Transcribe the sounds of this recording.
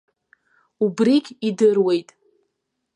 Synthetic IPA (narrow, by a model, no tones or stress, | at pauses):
ubrikʲʼidɨrwe̞jtʼ